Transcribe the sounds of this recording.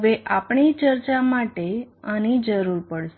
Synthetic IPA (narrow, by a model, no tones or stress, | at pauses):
ʋeʔapɳit͡ʃəɾt͡ʃamaʈeanid͡ʒəɾuɾpəɽʃ